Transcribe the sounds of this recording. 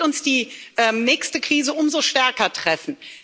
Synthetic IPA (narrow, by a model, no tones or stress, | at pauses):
ʊnsd̥iːʔɛːmnɛːçstəkʁ̥iːzəʔʊmzoʃtɛɐkɐtʁ̥ɛfn̩